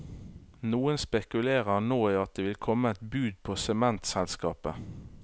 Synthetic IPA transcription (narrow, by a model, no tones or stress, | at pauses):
nuːənspɛkʉleːʁəʁnoːiɑt̪̚d̪eːʋɪlkʰɔməɛt̪bʉːd̪̚pʰoːsɛmɛnt̪sɛlskɑːpə